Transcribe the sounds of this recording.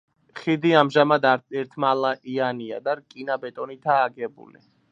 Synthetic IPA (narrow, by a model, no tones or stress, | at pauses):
χid̪iamʒamad̪aɛɾt̪ʰmalˠaʔiania̰d̪aɾkʼinabɛt̪ʼɔnit̪ʰaːɡɛbṵlḭ